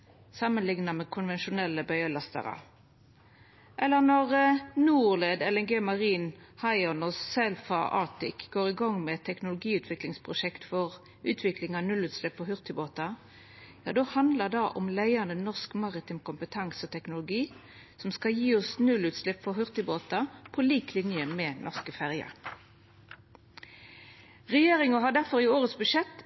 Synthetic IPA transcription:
sɑmənlɪŋnɑmɛkʰʊnʋɛnʃʊnɛlːəbœʏəlɑst̪ə̰ʁə̰ | ʔɛlːənɔʁnuːʁleːd̪ɛlɛŋɡeːmɑʁiːnhɑɪɔnɔsɛlfɑ̰ʔɑ̰ːt̪ɪkɡ̥oːʁɪɡɔŋmɛt̪ʰːɛknʊlʊɡiːʉːt̪ʰʋɪklɪŋspʰʁʊʃɛkt̪fɔʁ | ʉːt̪ʰʋɪklɪŋɑnʉlʉːt̪slɪpːfɔɦʉʁt̪ɪboːt̪ɑ | jɑ̰ːd̪oːhɑnd̪ləd̪ɑːʔɔmlæɪənənɔʁskmɑʁɪt̪ʰɪmkʊmpət̪ʰɑŋsɔt̪ʰɛknʊlʊɡiː | sɔmskɑjiːɔsnʉlʉːt̪slɪpfɔɦʉʁt̪əboːt̪ɑpʰoliːklɪnjəmɛnʔɔʁskəfæʁjɑ̰ | ʁɛjeːʁɪŋɑɦɑɖ̪æʁfɔʁɪoːʁət̪sbʉʂɛt̪ː

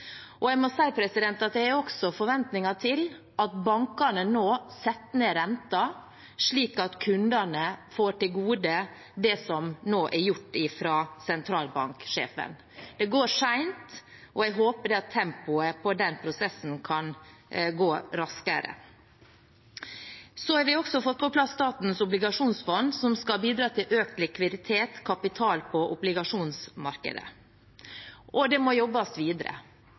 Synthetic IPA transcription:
ʔɔɛɪmɔsæɪpʰɾɛsɪd̪ɛnt̪ɑt̪̚d̪ɛæɾɔksɔfɔɾʋɛnt̪nɪŋɑʈʰɪl | ʔɑt̪̚bɑŋkɑɳənoːsɛt̪ːnəɾɛnt̪ɑ | ʂɭiːkɑt̪kʰʉnd̪ɑnəfoːʈɪlɡuːd̪ə | d̪ɛsɔmnoːʔæɾjʊʈːɪfɾɑːsɛnt̪ʰɾɑːlbɑ̰ŋkʂḛːfə̰n | d̪ɛɡoːɾʂæɪnt̪ | ʔɔæɪɦoːpəɖɛɑt̪ʰːɛmpʊəpʰɔd̪ɛnpʰɾʊsɛsːn̩kʰɑnɡoːɾɑskəɾə̰ | sɔæɾʋɪɔksɔfɔt̪̚pʰɔpʰlɑst̪ɑːt̪n̩sʊblɪɡɑʂuːnsfɔnd̪sɔmskɑlbiːd̪ɾɑːt̪ʰɪlʔøːk̪lɪkʰʋɪd̪ɪt̪ʰeːt̪kʰɑpɪt̪ʰɑːlpʰɔʔʊblɪɡɑʂuːnsmɑɾkə̰d̪ə̰ | ʔɔd̪ɛmɔjɔbːɑst̪ʋiːd̪əɾə̰

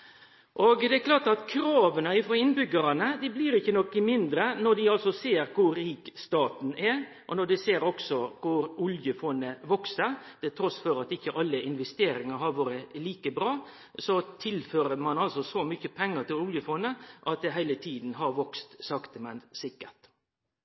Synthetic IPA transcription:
ʔoːɡd̪ɛɛkʰlɑːʈ̪ɑt̪kʰɾɑːʋənəɪfɾoːɪnbʏɡəɾɑnəd̪ɪbliːɾɪçːənɔkːɪmɪnd̪ɾənɔɖ̪ɪɑlsɔseːɾkʰʊɾːiːkst̪ɑːt̪n̩æ | ʔɔnɔɖ̪ɪseːɾɔksɔkʰʊɾʊljəfɔnːəʋɔksəɾt̪ʰɪlt̪ʰɾɔsfɔɾɑt̪ɪçːəʔɑlːəʔɪnʋɛst̪eːɾɪŋɑɾɦɑɾʋɑːɾəliːkəbɾɑː | sɔt̪ʰɪlføːɾəmɑnɑlsɔsɔmʏçəpʰɛŋːət̪ʰɪlʊljəfɔnːəʔɑt̪̚d̪ɛɦæɪlət̪ʰiːd̪n̩ɦɑɾʋɔkst̪sɑkt̪əmɛnsɪkːəʈ

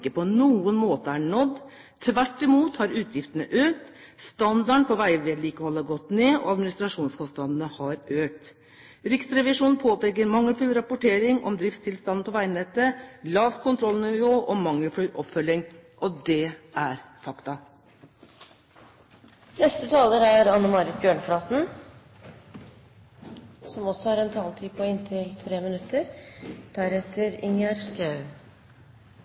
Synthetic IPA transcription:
kːəpɔnuːənmoːt̪əæɳɔd̪ː | t̪ʰːʋæʈːɪmuːt̪hɑɾʉːt̪ʰjɪft̪ənəʔøːk̚t̪st̪ɑnd̪ɑɳpɔʋæɪʋeːd̪liːkəhɔlːəɡɔt̪neːʔɔ̰ɑd̪mɪnɪst̪ɾɑʂuːnskɔst̪ɑnd̪ən̩əhɑɾøːk̚t̪ | ɾɪksɾɛʋɪʂuːnpʰoːpɛɡəɾmɑŋːəlflʉːɾɑpʊʈʰeːɾɪŋɔ̰md̪ɾɪft̪st̪ʰɪlst̪ɑnpʰɔʋæɪnɛt̪ːəlɑːʋt̪kʰʊnt̪ʰɾɔlnɪʋoːʔɔmɑŋːəflʉːʔɔpfœljɪŋʔɔd̪ɛʔæɾfɑkt̪ɑ | nɛst̪ət̪ʰɑːləɾæɾɑnːəmɑɾɪt̪̚bjøːɳfɾɑːt̪n̩ | sɔmɔsːɔhɑɾɛnt̪ʰɑːlt̪ʰiːpʰɔɪnt̪ʰɪlt̪ʰɾeːmɪnʉt̪ʰːəɾd̪̥æɾɛt̪ʰəɾɪŋæɾskɑʉ

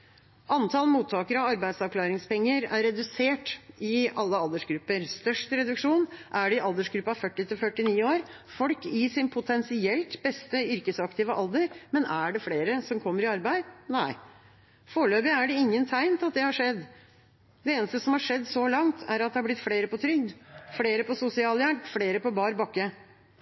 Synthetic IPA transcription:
ʔɑnt̪ʰɑlmuːt̪ʰːɑːkəɾɑɑɾbæɪsɑʋkʰlɑːɾɪŋspɛŋːəɾæɾɛd̪ʉseːʈɪɑlːəɑld̪əʂɡɾʉpːəɾst̪œʂʈɾɛd̪ʉkʂuːnʔæɖɛɪʔɑld̪əʂɡɾʉpːɑfœʈːɪt̪ʰɪlfœʈːɪniːoːɾ | fɔlkɪsɪnpʰʊt̪ʰɛnsɪɛlt̪bɛst̪əʏɾkəsɑkt̪ɪʋəʔɑld̪əɾmɛnæɖɛfleːɾəsɔmkʰɔmːəɾɪɑɾbæɪd̪næɪ | foːɭøːbɪæɖɛɪŋːənt̪ʰæɪnt̪ɑt̪̚d̪ɛhɑʂɛd̪ː | d̪ɛeːnəst̪əsɔmhɑʂɛd̪ːsɔlɑŋt̪ʰæ̰ɾɑt̪̚d̪ɛhɑɾblɪt̪ːfleːɾəpɔt̪ʰɾʏɡd̪fleːɾəpɔsʊsɪɑːljæɳpfleːɾəpɔbɑːɾbɑkːə

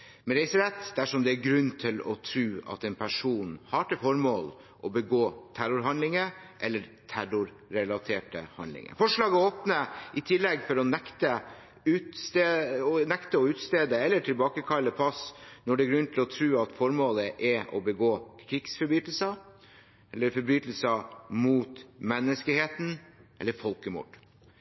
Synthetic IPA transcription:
mɛɾɛɪsəɾɛt̪ːd̪æʂɔmd̪ɛæɾɡɾʉnːt̪ʰɪlɔ̰t̪ʰɾʉːɑ̰t̪ɛnpʰæʂuːnhɑːʈʰəfɔɾmoːl | ʔɔbəɡoːt̪ʰæɾʊɾɦɑnlɪŋəʔɛlːəɾt̪ʰæɾʊɾːɛlɑt̪ʰeːʈə̰hɑ̰nɪ̰ŋə̰fɔʂɭɑːɡəoːpnəʔɪt̪ʰɪlːɛɡfɔɾɔnɛkt̪ə | ʉːt̪st̪eːɔnɛkt̪əɔʉːt̪st̪eːd̪əɛlːəʈʰɪlbɑːkəkʰɑlːəpʰɑsnɔɖɛːɡɾʉnːt̪ʰɪlɔt̪ʰɾʉːɑt̪fɔɾmoːləʔɛʔɔ̰bəɡoːkʰɾɪɡsfɔɾbyːt̪əl̩sə | ʔɛlːəɾfɔɾbɾyːt̪l̩sɑmuːt̪mɛnːəskəheːt̪n̩ʔɛ̰lːəɾfɔlkəmṵːɖ̥

